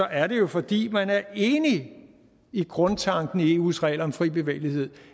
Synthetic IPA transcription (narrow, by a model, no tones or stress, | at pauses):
ɒ̽ʔæɐɾe̝jo̝fɒ̽d̥ḭːmænæɐe̝ːni | iɡ̥ʁɔ̽nt͡sʰɑ̈ŋ̰ɡ̥n̩ie̝ːuːsʁɛ̰ɪlɒ̽mfʁḭːb̥e̝ʋḛːlihe̝ð̰ˠ